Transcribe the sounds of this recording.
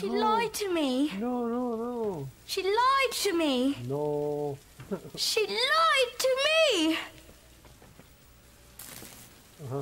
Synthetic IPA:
ʃilaɪtʰɨminononoʃilaɪd̚tʰɨmino | ʃilaɪd̚tʰɨmi

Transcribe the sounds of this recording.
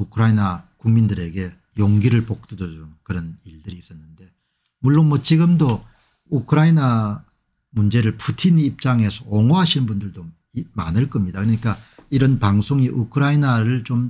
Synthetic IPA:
ukʰɯɾainakuŋmindɯɾe̞ɡe̞ | joŋɡiɾɯɭpok̚t͈ɯdʌd͡ʑokɯɾʌniɭdɯɾiːs͈ʌnːɯnde̞ | muɭːonmʌt͡ɕiɡɯmdo | ukʰɯɾaina | mund͡ʑe̞ɾɯɭpʰutʰiniːp̚t͡ɕ͈aŋɦe̞sʰʌːŋoɦaɕʰinnbundɯɭdo | manɯɭk͈ʌmɲidakɯɾʌɲik͈aiɾʌnpaŋsʰoŋiʔukʰɯɾainaɾɯɭt͡ɕom

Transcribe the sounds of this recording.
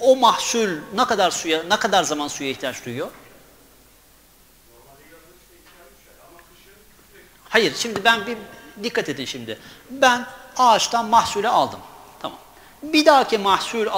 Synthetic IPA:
omahsulʲnakad̪aɾsujanakad̪aɾzamansujaiht̪ʰijat͡ʃd̪ujyjo̞ | hajiɾʃimd̪ibænbid̪ikʰːat̪ʰed̪ːinʃimd̪ɪbænaːt͡ʃt̪ʰanmahsulʲɛalˠd̪ɯm | t̪ʰama̰m | bid̪aːcʰimahsulʲa

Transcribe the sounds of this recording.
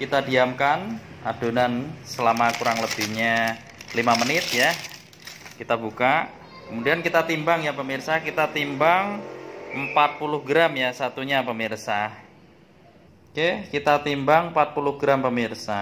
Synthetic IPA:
kit̪adiamkanad̥onansəlamakuɾaŋləbihɲa | limamənɪt̪̚ja | kit̪abuka | kəmudiankit̪at̪imbaŋjapəmirsahkit̪at̪imbaŋəmpat̪̚pulʊhɡɾamjasat̪uɲapəmirsah | kekit̪at̪imbaŋmpat̪̚pulʊhɡɾampəmirsa

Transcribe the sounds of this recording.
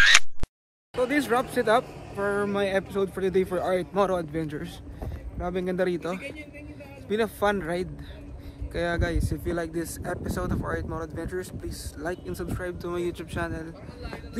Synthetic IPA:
sod̪ɪsɹapsɪt̪ɐpfɔɹmajʔɛpɪsowd̪̚fɔɹt̪ɨd̪ejfɔɹʔaɹt̪̚mɔɾoɐd̪vɛ̃nt͡ʃʊɹsɾaːbɛŋɡɐnd̪ɐɾiːt̪o̞ | ɪsbɪ̃nɐfãnɹajd̪̚ | kɐjaɡajsɪfjiulajk̚d̪ɪsɛpɪsowd̪ɔva̰ɹt̪̚mɔɾoɐd̪vɛ̃nt͡ʃʊɹspliːslajkɛ̃nsɐbskɹajb̚t̪ʊmɐjuːt̪jub̚t͡ʃanɛl

